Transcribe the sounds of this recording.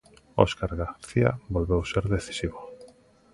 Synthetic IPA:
o̰skaɾɣaθia̰bolβewseɾðeθi̥siβo

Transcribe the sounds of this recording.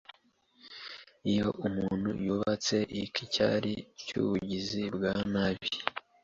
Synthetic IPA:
ijo̞ʔumuːn̥hṵjuβat͡se̞ʔikʰica̰ːɾicṵːβuɟizibɡaːnaβi

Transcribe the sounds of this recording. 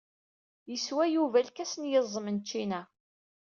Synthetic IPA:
jəswæjuvælkæsənjəzˤːəmənt͡ʃːinæ

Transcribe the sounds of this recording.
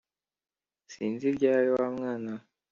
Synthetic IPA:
sḭːnziɾɟaːjowamŋaːna

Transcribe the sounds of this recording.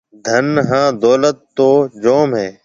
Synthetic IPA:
d̪ʱənɦãːd̪oːlət̪ːoːd͡ʒoːmɦɛː

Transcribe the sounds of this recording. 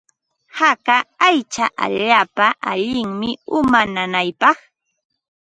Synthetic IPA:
hakaajt͡ʃaʔa̰ʎaːpaʔaʎɪŋmɪʊmananajpɑχ

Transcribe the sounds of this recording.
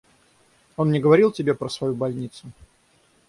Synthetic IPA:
o̞nnʲɪɡəvɐɾʲilˠtʲɪbʲe̞pɾəsvɐjubɐlʲnʲit̪sʊ

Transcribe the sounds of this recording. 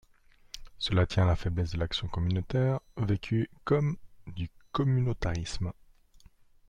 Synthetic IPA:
səlat̪jɛ̃alafɛblɛsd̪əlaksjɔ̃kɔmynot̪ɛʁvekʲʰykɔmd̪ykɔmynot̪aʁism

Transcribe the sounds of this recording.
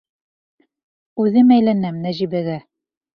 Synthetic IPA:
ʉðɘmæjlænæmnæʑibæɡæ

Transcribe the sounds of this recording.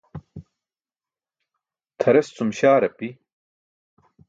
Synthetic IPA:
t̪ʰɐɾest͡sumɕaːɾɐpi

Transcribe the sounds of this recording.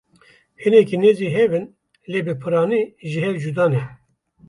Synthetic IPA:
hɨnɛkineːziɦɛvɨn | lebɨpʰɨɾɑːniʒiɦɛwd͡ʒud̪ɑːnɛ

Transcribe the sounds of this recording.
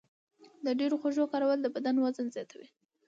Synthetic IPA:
d̪əɖeɾoxoʒokɑɾawəld̪əbad̪anwazənzjɑt̪ʰawi

